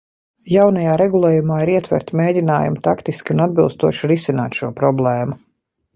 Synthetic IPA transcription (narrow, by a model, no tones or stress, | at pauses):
jawnajaːɾɛɡulˠeːjumaːiɾiɛt̪vɛ̰ɾt̪meːdʲina̰ːjṵmt̪akt̪iskʲiunad̪bilˠst̪ṵɔʃuɾisina̰ːt̪ʃuːɔpɾɔblˠeːmu